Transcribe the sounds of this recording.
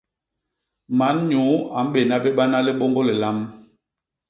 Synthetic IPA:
ma˨˦nɲu˨˦a˨m̩˦ɓe˨na˦ɓe˦ɓa˦na˦le˦ɓɔ˦ŋɡɔ˦lɛ˨la˦m

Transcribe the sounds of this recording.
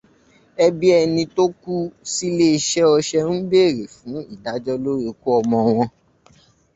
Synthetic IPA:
ɛ˧bi˦ɛ˧nĩ˧to˦ku˦si˦le˦i˧ʃɛ˦ɔ˧ʃɛ˦n̩˦be˦˨ɾe˨fũ˨˦i˦˨da˨˦d͡ʒɔ˦lo˦ɾi˧ku˦ɔ˧mɔ̃˧w̃ɔ̃˧

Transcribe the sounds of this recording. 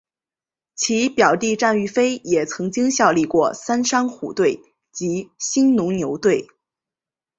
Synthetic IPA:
t͡ɕʰi˧˥pjɑ˨˩ʊt̪i˥˧ʈ͡ʂa˥˧ny˥˩fe˥ɪjɛ˨˩t͡sʰɤ˧˥ŋt͡ɕi˥ŋɕjɑ˥˧ʊli˥˧kwɔ˥˩sa˥nʂɑ˥ŋxṵ˨˩t̪we˥˩ɪ | t͡ɕi˧˥ɕi˥nnʊ˧˥ŋnjo˧˥ʊt̪we˥˩ɪ

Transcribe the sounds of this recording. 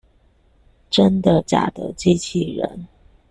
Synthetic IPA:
ʈ͡ʂə˥nd̪ə˨t͡ɕja̰˨˩d̪ə̰˧˥t͡ɕi˥t͡ɕʰi˥˩ɻə̰˧˥n

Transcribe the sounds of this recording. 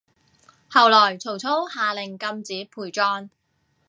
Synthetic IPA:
hɐ˨wlɔː˨˩jt͡sʰo˨˩wt͡sʰo˥whaː˨lɪ˨˩ŋkɐ˧mt͡siː˨˥pʰuː˨˩jt͡ʃɔː˧n

